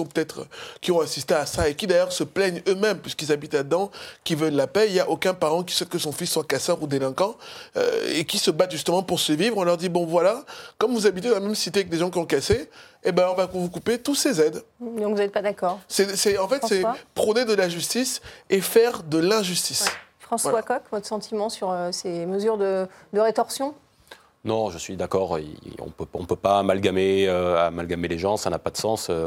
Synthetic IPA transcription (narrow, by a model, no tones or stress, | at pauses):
ɔ̃pø̥t̪ɛt̪χkʲiɔ̃asist̪easaekʲid̪ajœʁsəplɛɲømɛmpɥiskilzabit̪lad̪əd̪ɑ̃kʲivœllapɛiljaʔokɛ̃paʁɑ̃k̬ʲi̥swɛt̪kəsɔ̃fisːwakasœʁud̪elɛ̃kɑ̃ø̰ḛkʲisəbat̪ʒyst̪əmɑ̃puʁsyʁvivʁɔ̃lœʁd̪ibɔ̃vwalakɔmvuzabit̪ẽvamɛmsit̪ekəd̪eʒɑ̃k̬ʲiɔ̃kase | ebɛ̃ɔ̃vakuvukupet̪usezɛd̪d̪ɔ̃kvuzɛt̪̚pad̪akɔːʁsɛsɛɑ̃fɛt̪sɛpχɔned̪əlaʒyst̪isefɛʁd̪əlɛ̃ʒyst̪isfχɑ̃svwakɔkvɔt̪χsɑ̃t̪ʰimɑ̃syʁøseməzyʁd̪əd̪əʁet̪ɔʁsjɔ̃ | nɔ̃ʒəsɥid̪akɔʁḭɔ̰̃pøɔ̰̃pøpamalɡameøa̰malɡameleʒɑ̃sana̰pad̪əsɑ̃sø